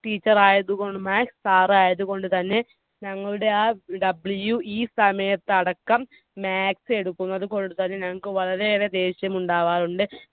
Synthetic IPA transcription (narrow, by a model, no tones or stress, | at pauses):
ʈiːt͡ɕːɐraːjɐðuko̞ɳɖɨmaːkstaːraːjɐðuko̞ɳɖut̪ɐnːe̞ | ɲɐŋːɐɭuɽe̞aːɖɐbljuʔiːsɐmɐjɐt̪ːɐɽɐkːɐm | maːksɨe̞ɽukːunːɐðuko̞ɳɖut̪ɐnːe̞nɐŋːɐkːɨʋɐɭɐɾe̞ðed̪e̞ːɕjɐmuɳɖaːʋaːɾuɳɖɨ